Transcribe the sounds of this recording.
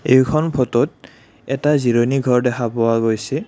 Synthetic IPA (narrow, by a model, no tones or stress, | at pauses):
ejkʰɔnpʰɔtɔt | ɛtaziɹoniɡʱɔɹdɛxʰapɔwaɡojsɛ